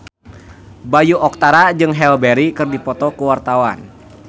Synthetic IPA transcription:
bajuɔk̚t̪aɾad͡ʒɨŋɦɛlbɛɾikɨrdipɔt̪ɔkəwart̪awa̰n

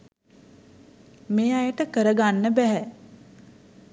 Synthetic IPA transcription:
meːajəʈəkəɾəɡanːəbæɦɛ

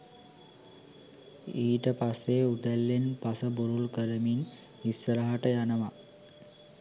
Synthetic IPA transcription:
iːʈəpasːeut̪ælːenpasəbuɾulkəɾəmin | isːəɾaɦaʈəjanəʋa

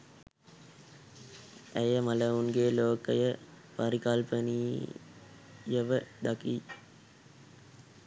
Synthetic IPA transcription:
æjəmɐləunɡeːloːkəjə | paɾikɐlpəniː | jəʋəd̪aki

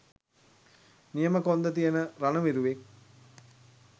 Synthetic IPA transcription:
nijəməkond̪ət̪̬ijənəɾanəʋiɾuʋek̚

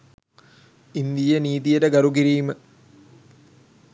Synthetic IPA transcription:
ind̪ijəniːt̪̬ijəʈəɡɐɾuɡiɾiːmə

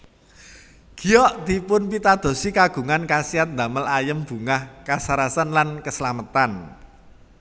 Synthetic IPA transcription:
ɡ̥i̤jɔʔt̪ipʊnpit̪ad̪̥o̤sikaɡ̥ṳŋankasiat̪̚nd̪a̤məlajəmb̥ṳŋahkasaɾasanlankəsəlamət̪an

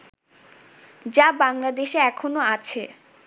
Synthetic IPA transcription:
d͡ʑabaŋlad̪eʃeɛkʰonoat͡ɕʰe

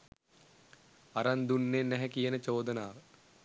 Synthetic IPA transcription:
aɾand̪unːenːɛɦɛkijənət͡ʃoːd̪ənaːʋə

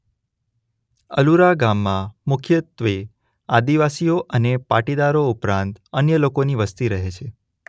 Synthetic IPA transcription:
ə̰luɾaɡamːãmʊkʰjət̪ʋe | ad̪iʋasijoʔənepaʈid̪aɾoupɾãnt̪ənjəlokoniʋəst̪iɾəɦet͡ʃʰe

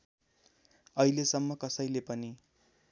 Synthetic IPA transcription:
ʌilesʌmːʌkʌsʌjlepʌni

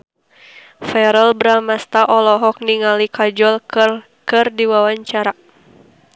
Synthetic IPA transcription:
fɛɾəlbɾamast̪aʔɔlɔɦɔk̚niŋalikad͡ʒɔl | kɨrdiwawaɲt͡ʃaɾa

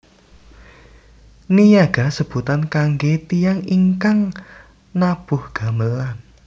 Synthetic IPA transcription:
nijaɡ̥a̤səb̥ut̪ankaŋɡet̪ijaŋiŋkaŋ | nab̥ʊhɡ̥a̤məlan

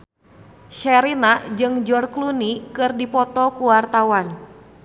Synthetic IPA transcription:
ʃɛɾinad͡ʒɨŋd͡ʒɔrklunikɨrdipɔt̪ɔkuwart̪awan

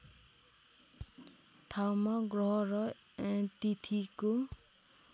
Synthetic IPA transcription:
ʈʰawmaɡrʌɦʌɾʌ | eʈit̪ʰiko

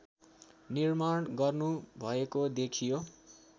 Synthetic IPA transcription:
nirmaɽɡʌrnubʱʌekod̪ekʰijo

